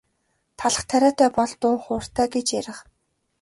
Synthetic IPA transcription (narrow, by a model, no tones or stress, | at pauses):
t̪ʰaɮə̆χt̪ʰæɾʲæːt̪æːpɔɮt̪ʊːŋχʊːr̥t̪æːɡet͡ɕjæɾʲɪ̆χ